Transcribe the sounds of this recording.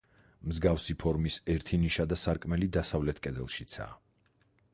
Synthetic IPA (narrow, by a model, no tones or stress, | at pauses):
mzɡafsipʰɔɾmisɛɾt̪ʰiniʃad̪asaɾkʼmɛlid̪asavlɛt̪ʰkʼɛd̪ɛlˠʃit̪sʰa̰ː